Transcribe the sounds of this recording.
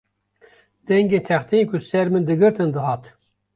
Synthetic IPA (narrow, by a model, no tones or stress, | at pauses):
d̪ɛŋɡeːnt̪ʰɛχt̪ʰenkʰusɛɾmɨnd̪ɨɡɨɾt̪ʰɨnd̪ɨɦɑːt̪